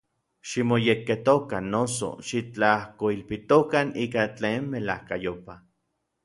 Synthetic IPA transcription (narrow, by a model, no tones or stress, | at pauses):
ʃimojekːet̪okanːoso̰ʃit͡ɬahkoilpit̪okaniːkat͡ɬeːnmelahkajopa